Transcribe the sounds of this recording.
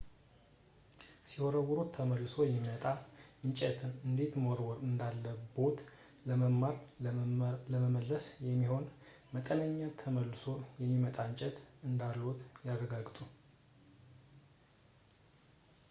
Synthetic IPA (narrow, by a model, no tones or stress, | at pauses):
sihoɾəwuɾot̪ʰːəməlːɨso̞jɛmːimət̪ʼaɨɲt͡ʃʼɛt̪ʰɨnɨnd̪e̞t̪moɾwɔɾɨnd̪alːəbo̞t̪ | ləməmːaɾ | ləməməlːəsjɛmːiho̞n | mət̪ʼənəɲːat̪ʰəməlːɨso̞jɛmːimət̪ʼaɨɲt͡ʃʼɛt̪ɨnd̪alo̞t̪jarːəɡaɡt̪ʼu